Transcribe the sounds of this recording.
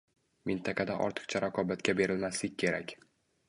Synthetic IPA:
mɪnt̪ʰaqʰɑd̪aʔɒ̰ɾt̪ʰɨ̥qt͡ʃʰaɾaqʰɒbat̪kʲabe̞ɾɪlmaslɪk̚ʲːʰe̞ɾakʲ

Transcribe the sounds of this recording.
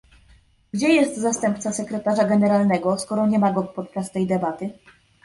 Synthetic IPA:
ɡd͡ʑɛjɛst̪zast̪ɛmp̚t̪sasɛkɾɛt̪aʐaɡɛnɛɾalnɛɡɔskɔɾɔɲɛmaɡɔkpɔt̪̚t͡ʂast̪ɛjd̪ɛbat̪ɘ

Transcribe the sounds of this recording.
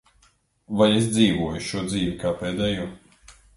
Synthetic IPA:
vajesd̪ziːvuɔjuʃuɔd̪ziːvʲikaːpeːd̪ɛːjuɔ

